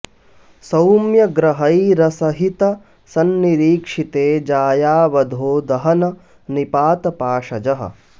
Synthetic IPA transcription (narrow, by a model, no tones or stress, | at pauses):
sɐwmjɐɡɾɐɦɐjɾɐsɐɦit̪ɐ | sɐnːiɾiːkʂit̪eːd͡ʒaːjaːʋɐd̪ʱoːd̪ɐɦɐnɐ | nipaːt̪ɐpaːʂɐd͡ʒɐɦɐ̰